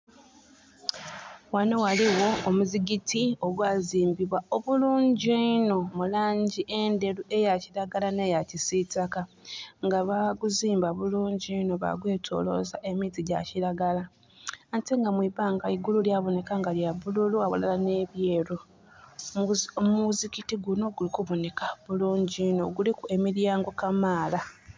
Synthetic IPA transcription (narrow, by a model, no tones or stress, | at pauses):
wano̞waliwo̞ːmuziɡitʰio̞ɡwaːziːmbiβwao̞βuluːɲɟeino̞mulaːɲɟiʔe̞nde̞ɾue̞jaciɾaɡalane̞jacisitakaŋɡaβaɡuziːmbaβuluːɲɟieno̞βa̰ɡwe̞ːtʰo̞̰ːlo̞zaʔe̞mitiɟa̰ciɾaɡalaː | nteŋɡamwiβaːŋɡaiɡululjaβo̞ne̞kaŋɡaljaβululuaβṵlalane̞βjeːɾu | muzikitiɡuno̞ɡulikuβo̞ne̞kaβuluːɲɟino̞ɡulikue̞miɾjaːŋɡo̞kamaːla